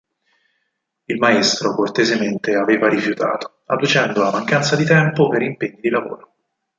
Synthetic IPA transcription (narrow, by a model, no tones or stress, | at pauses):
ilmaest̪ɾokort̪ezement̪eaveːvaɾifjut̪a̰ːt̪o̥ | a̰d̪ut͡ʃɛnd̪olamaŋkant̪sad̪it̪ɛmpopeɾimpeɲːid̪ilavo̰ːɾo